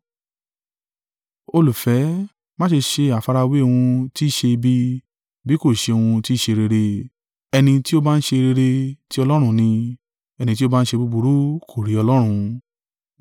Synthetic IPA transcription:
o˧lu˨fɛ˨˦ | mã˦ʃe˧ʃe˧a˨fa˧ɾa˧we˦˧w̃ũ˧ti˦ʃe˧bi˧ | bi˦ko˦˨ʃe˧o˧wũ˧ti˦˨ʃe˧ɾe˧ɾe˧ | ɛ˧nĩ˧ti˦o˦baː˦˧n̩˦ʃe˧ɾe˧ɾe˧ti˦ɔ˧lɔ˦ɾ̃ũ˧nĩ˧ | ɛ˧nĩ˧t̬i˦o˦baː˦n̩˦ʃe˧bu˧bu˧ɾu˨˦kʰo˦˨ɾi˨˦ɔ˧lɔ˦ɾ̃ũ˧

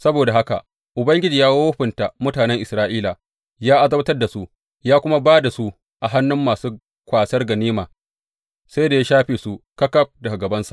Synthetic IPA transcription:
sɐ˦boː˨da˨ɦa˦ka̰˨ | ʔʊ˨bɐ˦ŋɡʲɪ˦d͡ʒiː˨jaː˦woː˦ɸɪ˨nta˨mʊ˦taː˨nɛ˦ŋʔɪ˨sɾaː˦ʔiː˦la˨ | jaː˦ʔa˨zɐ˦bɐ˦tɐ˦rda˨su˦ʔ | jaː˦kʷʊ˦ma˦baː˦da˨su˦ | ʔa˨ɦa˦nːʊ˦mːaː˨suː˦ | kʷaː˨sɐ˦rɡɐ˨niː˦maː˨ | sa˦jda˨ja˦ʃaː˦ɸeː˨su˦kɐ˦kɐ˦ɸ̚dɐ˨ɡa˨ɡɐ˨bɐ˦nsḁ̰˨

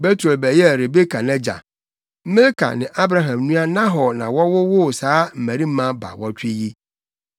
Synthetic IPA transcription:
be˦tʰɾo˨bɛ˨jɛ˦˨ɾe˨be˦kʰa˨nɛ̃˦d͡ʑa̰˨˦ | mɪ̃˦lkʰa̰˨nɪ̃˨ʔa˦bɾa˦ɦã˨mnũ˦a˦nã˦ɦɔ˨nã˨wɔ˦wʊ˦wʊ˦˨saː˨˦m̩˨mæ̃˨ɾi˦m̩˦mã˦ba̰˨wɔ˦t͡ɕᶣɪ˦ji˦

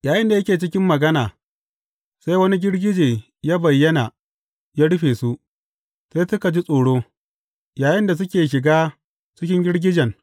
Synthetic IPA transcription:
jaː˨jʔɪ˦nda˨jɐ˦kʲeː˨t͡ʃɪ˦kʲɪ˦mːɐ˨ɡɐ˦naː˨ | sa˦jwɐ˦ni˦ɡʲɪ˦ɽɡʲɪ˦d͡ʒeː˨ | jaː˦bɐ˨jːɐ˦na˨ | jaː˦ɽʊ˦ɸeː˨su˦ʔ | se˦jsʊ˦ka˨d͡ʒi˦sʼoː˨ɽoː˦ | jaː˨jɪ˦nda˨s̬ʊ˦kʲeː˨ʃ̬ɪ˨ɡaː˦ | t͡ʃɪ˦k̬ʲɪ˦ŋɡʲɪ˦ɽɡʲɪ˦d͡ʒɛ˨ŋ

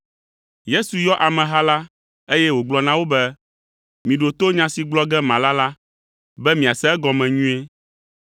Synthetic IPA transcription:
je˦su˨jɔ˦ʔa˨mɛ̃˨ɦa˦la˦ | e˦jɛ˦wo˨ɡ͡blɔ˨nã˦wo˦bɛ˦ | mĩ˨ɖo˨t̪o˦ɲã˨si˨ɡ͡blɔ˦ɡɛ˦mã˨la˦la˦ | bɛ˦mĩ˨a˨sɛ˦ɛ˦ɡɔ˨mɛ̃˨ɲũ˦e˦

